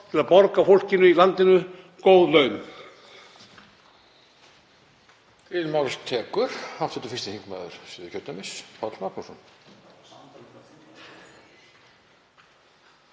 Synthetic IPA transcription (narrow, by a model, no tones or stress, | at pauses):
t̪ʰɪlaðpɔɾkafowl̥cɪnʏilant̪ɪnʏ | koːwðlœːɥm | ɪmawlɪs̚t̪ʰɛːkʏɾ̥aft̪sɛt̪ʏfɪ̥st̪ɪhiŋkma̰ːðʏɾ̥sɪːðɪ̥çʰœɾt̪amɪsfʰawt̪lmaknusɔn